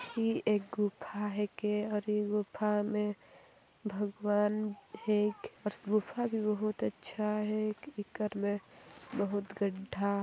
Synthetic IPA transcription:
fieːk̚ɡupʰaɦɛkeɔːɾjeɡʊpʰamẽ | bʱəɡwaːnekɔɾɡʊpʰabʱibəɦʊt̪ətːʃʰaɦɛkɪkəɾmẽbəɦʊt̪ɡəɖʱːa

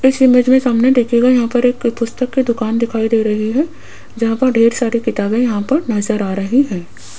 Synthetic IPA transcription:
ɪsɪmed͡ʒmẽsaːmnẽd̪eːkʰeɡajɐɦãpɐɾeːkpʊst̪əkːid̪ʊkaːnd̪ɪkʰaːid̪eːɾɐɦiɦɛː | d͡ʒɐɦãpɐɾɖʱeːɾsaːɾikɪt̪aːbẽjɐɦãpɐɾnɐzəɾaːɾɐɦiɦɛ̃ː

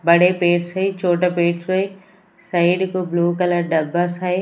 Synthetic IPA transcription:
bɐɽepeːʈsɐit͡ʃʰoːʈapeːʈsoi | saiɗɪkobluːkɐləɾɖɐbʱasae

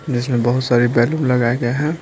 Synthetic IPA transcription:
d͡ʒɪsmẽbɐɦʊt̪saːɾibɛljumlɐɡaeɡeɦɛ̃

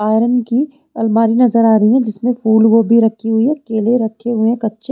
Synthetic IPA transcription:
aːjɾənki | ɐlmaːɾinɐzəɾaːɾɐɦiɦɛ̃d͡ʒɪsmẽfuːlʋobʱiɾɐkʰːiɦʊiɦɐkeːleɾɐkʰːeɦʊẽkɐtːʃe

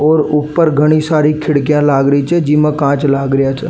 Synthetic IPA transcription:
ɔːɾuːpːəɾɡʱəɽ̃isaːɾikʰɪɽkijãlaːɡɾəit͡ʃʰɛd͡ʒimãkãːt͡ʃlaːɡɾəjaːt͡ʃʰɛ

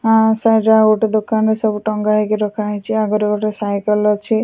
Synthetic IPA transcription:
ãsaʈaɡoʈed̪okanɾesɔbuʈɔŋɡaɦikeɾɔkʰajt͡ʃʰiaɡɔɾɔkɔʈesajkɔlɔt͡ʃʰi

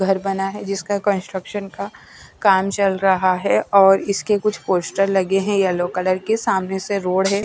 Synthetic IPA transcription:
ɡʱɐɾbɐnaɦɛd͡ʒɪskakə̃nsʈɾəkʃənka | kaːmt͡ʃɐlɾɐɦaɦɛʔɔːɾɪskekʊt͡ʃʰpoːsʈəɾlɐɡeɦɛ̃jalokɐləɾkesaːmneseɾoːɽɦɛ̃

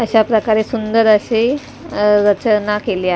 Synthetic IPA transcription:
əɕapɾəkaɾesund̪əɾəɕe | ɾət͡ɕənakelia

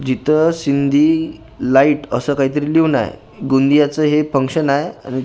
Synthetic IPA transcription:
d͡ʑit̪ʰəsind̪ʱiː | laiʈəsəːkaɦiːt̪̬əɾiːliʋna̰j̰ | ɡund̪ijat͡səɦefəŋkɕənaja̰ni

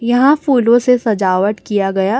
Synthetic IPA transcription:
jɐɦãfuːlõsesɐd͡ʒaːʋəʈ̪kijaɡɐjaː

